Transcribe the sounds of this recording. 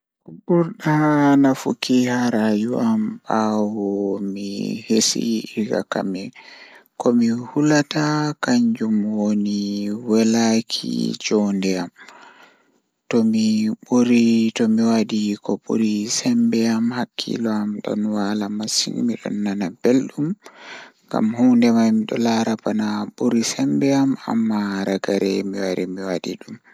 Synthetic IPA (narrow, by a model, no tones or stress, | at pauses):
kɓuɾɗanafṵkihaɾajuambawɔmḭhesḭka̰ka̰mɛkɔmihulatakaɲd͡ʒumwoniwɛlakʰḭd͡ʒɔndɛam | tɔmiɓuɾitɔmiwadikɔbṵɾisɛmbɛamhakʰːḭlɔamɗɔ̰nwalamasḭŋmiɗɔ̰nːanab̥elɗum | ɡa̰mhundɛmajmiɗɔ̰laɾapanaɓuɾisɛmbɛama̰mːaɾaɡaɾɛmiwaɾimiwadḭɗum